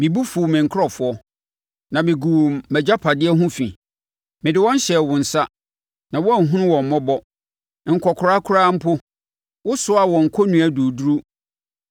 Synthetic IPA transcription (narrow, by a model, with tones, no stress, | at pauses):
mɪ̃˨bu˦fu˨mɪ̃˨ŋ̩˨kʰɔ˨fʊ˦ɔ˦ | nã˨mɪ̃˨ɡu˨u˨mːɛ˨d͡ʑa˦pʰa˨dɪ˦ɛ˦ɦʊ̃˦fḭ̃˨ | mɪ̃˨dɪ˨wɔ̃˦n̩˦ɕɛ˨wʊ̃˨n̩˨sa˦ | nã˨wɔ˦a˦˨n̩˨ɦũ˦nʊ̃˦wɔ̃˨m̩˨mɔ̃˦bɔ˦ | ŋ̩˨kʰɔ˨kʰʊ˨ɾa˦kʰʊ˦ɾaː˦m̩˦pʰʊ˦ | wʊ˦sʊ˦a˨wɔ̃˨ŋ̩˨kʰɔ˦nũ˨æ˨du˨du˦ɾu˦